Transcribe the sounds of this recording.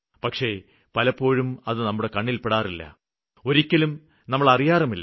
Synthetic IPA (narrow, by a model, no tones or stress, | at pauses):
pɐkʂe̞ | pɐlɐpːo̞ːɻumɐðɨnɐmːuɽe̞kɐɳːilpeɽaːrilːɐ̰ | o̞ɾikʲːɐlum | nɐmːɐɭɐrijaːrɐmilː